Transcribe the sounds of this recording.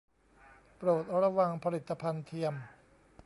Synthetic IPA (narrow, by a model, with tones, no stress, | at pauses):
pɾoː˨˩t̪̚ɾa˧wa˧ŋpʰa˧li˨˩t̪ːa˧pʰa˧nt̪ʰi˧əm